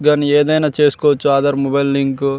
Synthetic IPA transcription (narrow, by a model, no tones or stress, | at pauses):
ɡanieːd̪ɐjnaːt͡ʃeːsu̥kɔːʋɐt͡ʃːuaːd̪ɐɾmɔbɐjlːiŋk